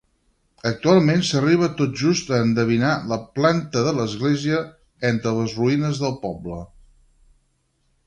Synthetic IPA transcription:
ək̚t̪ualˠmensəriβ̞ət̪ot̪̚ʒust̪əːnd̪əβ̞inaləplant̪əðələzɣleziə | ɛnt̪ɾələzruinəzðəlˠpɔblə

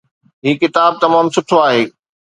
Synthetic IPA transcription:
ɦiːkɪt̪aːb̚t̪ɐmaːmsʊʈʰoaːɦeː

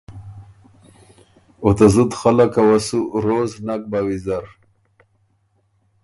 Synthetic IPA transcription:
ot̪azud̪xalakawasuɾoznak̚bawizaɾ

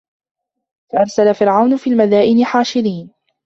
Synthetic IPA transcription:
faʔɑɾˤsalafɪɾʕawnʊfiːlmaðaːʔɪnɪħaːʃɪɾiːn

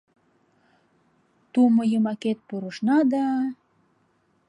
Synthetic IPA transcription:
t̪umɤjəmɑket̪̚puɾəʃnɑd̪ɑ

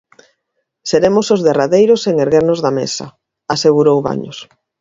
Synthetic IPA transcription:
seɾemosozðeraðejɾʊseŋeɾɣeɾnozðamḛsɐ̰ | aseɣuɾowβa̰ɲo̰s

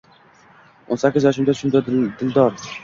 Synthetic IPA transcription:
onsakʲːɪzjɒʃʊmd̪aʊ̥ʃʊmd̪ad̪ɪld̪ɒɾ

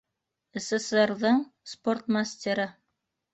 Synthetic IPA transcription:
ɘ̆sĕserðɤɴsport̪masʲt̪ʲeɾɤ

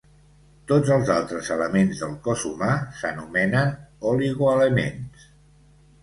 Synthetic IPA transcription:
t̪od͡zəlˠzalˠt̪ɾəzələmenzðəlˠkɔzṵmasənumɛnənɔliɣuələmḛns

